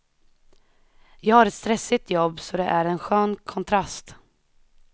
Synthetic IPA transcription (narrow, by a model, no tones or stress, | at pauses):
jɑːɡhaːɾɛt̪st̪ɾɛsːɪt̪ʰjɔbːsɔd̪ɛʔæɾɛnɧøːnkʰɔnt̪ʰɾast̪